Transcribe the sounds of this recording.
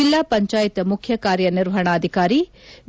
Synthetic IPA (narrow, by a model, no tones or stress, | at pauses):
ilːaːpɐɲt͡ʃaːjit̪ɐmukʰjɐkaːɾjɐniɾʋɐɦɐɳaːd̪ʱikaːɾi | ʋ